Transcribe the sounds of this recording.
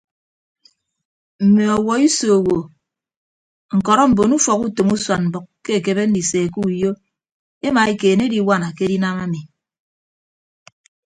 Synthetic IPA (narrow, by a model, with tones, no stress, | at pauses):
m̩˨me˨ɔ˨wɔ˨i˦so˨wo˨ | ŋ̩˨kɔ˨ɾɔ˦m̩˨bo˨nu˦fɔ˨ku˦to˨mu˦swa˨nm̩˨bɨ˨kkːe˦e˨ke˨be˦n̩˦di˨se˨ku˦˨jo˦ | e˦ma˨e˦keː˨ne˦di˨˦wa˦na˨ke˦di˦na˦ma˦mi˨